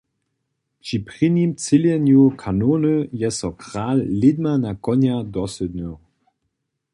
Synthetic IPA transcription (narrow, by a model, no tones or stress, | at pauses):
pʃipʁinimt͡sɪljɛnjukʰanoːnəjɛsɔkʁ̥aːlːɪd̪manakɔnjadɔsəd̪no